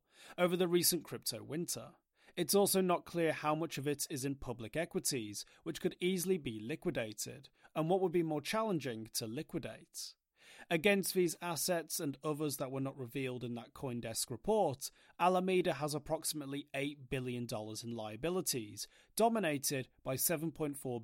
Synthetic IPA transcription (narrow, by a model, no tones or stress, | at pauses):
oʊvə˞ðɨɹisɨ̃nkʰɹ̥ɪp̚tʰoʊwɪ̃ntʰə̰˞ | ɨtsɔlˠsoʊnət̚kʰl̥ɪɹhaʊmʌt͡ʃʌvɨɾɪzɨ̃npʰʌblɨkɛkwɨɾiz̥ | wɨt͡ʃkʰɨɾizl̩ˠibilɪkwɨdeɪɾɪ̰də̃nwʌt̚wəd̚bimɔɹt͡ʃʰælˠə̃nd͡ʒɪ̃ŋtʰɨlɪkwɨdeɪt | ɨɡɛ̃nst̪̚ðizæsɛtsɨ̃nʌðə˞zðət̚wə˞nəʔ̚ɹɨvilˠdɨ̃nðət̚kʰɔ̃ɪ̃ndɛskɹɨpʰɔɹt | ælˠəmiɾɨəzəpʰɹ̥ɑksəmətˡlieɪt̚b̥ɪlˠjɨ̃ndɔlˠə˞zɨ̃n̩laɪɨbɪlˠəɾiz̥ | d̥ɑməneɪɾɪd̚b̥aɪsɛṽn̩pʰɔ̃ɪ̃ntfɔɹ